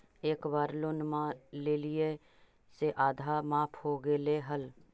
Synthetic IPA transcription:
eːkbaːɾlʊnmãleːlie | seʔaːd̪ʱaːmaːpʰhoːɡeːleːɦəl

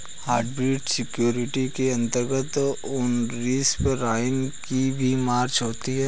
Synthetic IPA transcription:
haːɾɖbɾiːʈsɪkjoːɾɪʈikeɐ̃nt̪əɾɡət̪ | ʊnɾiːspəɾaːɪnkibʱimaːɾt͡ʃɦoːt̪iɦɛː

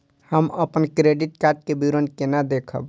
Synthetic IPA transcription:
həməpənkɾeɖiʈkaɾʈ̚kebiɾənkenad̪ekʰə̰b

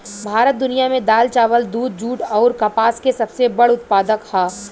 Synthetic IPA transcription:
bʱaːɾət̪̚d̪ʊnijamẽd̪aːlt͡ʃaːʋəld̪uːd̪̚d͡ʒuːʈɔːɾkɐpaːskesɐbsebɐɽʊt̪̚paːd̪əkhaː

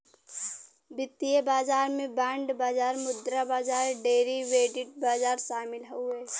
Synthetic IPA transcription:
bɪt̪ːijəbaːd͡ʒaːɾmẽbaːɳɖbaːd͡ʒaːɾmʊd̪ɾabaːd͡ʒaːɾɖeːɾiʋeːʈɪʈ̚baːd͡ʒaːɾʃaːmɪlɦoeː

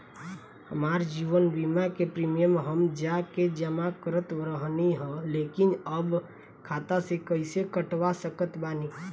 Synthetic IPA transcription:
həmaːɾd͡ʒiːʋənbiːmakepɾiːmijəmɦəmd͡ʒaked͡ʒəmakəɾət̪ɾəɦniɦɛ̃leːkɪnəb | kʰaːt̪asekəɪsekəʈwasəkət̪baːni

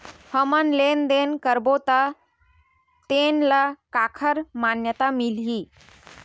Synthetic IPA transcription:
həmənlend̪enkəɾbot̪a | t̪enlakakʰəɾmanjət̪amilɦi

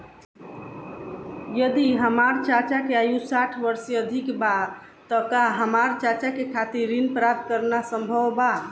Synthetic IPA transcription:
jəd̪iɦəmaɾt͡ʃat͡ʃakeajusaʈʰbəɾsiəd̪ʱikba | t̪əkaɦəmaɾt͡ʃat͡ʃakekʰat̪iɾinpɾap̚t̪̚kəɾnasəmbʱəwba

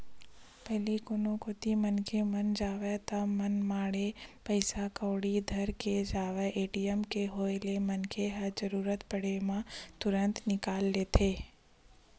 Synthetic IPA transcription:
pɛɦlikonõkot̪imənkʰemənd͡ʒaːʋet̪amənmaːɽepəɪsakəːɽid̪ʱəɾked͡ʒaːʋeʔeːʈijəmkeɦoːelemənkʰeɦəɾd͡ʒəɾuːɾət̪pəɽemãt̪ʊɾə̃nt̪nɪkaːlːeːt̪ʰeː

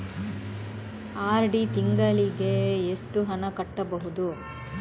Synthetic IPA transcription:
aːɾɖit̪iŋɡɐliɡe̞ːʂʈuɦɐnɐkɐʈːɐbɐɦud̪u

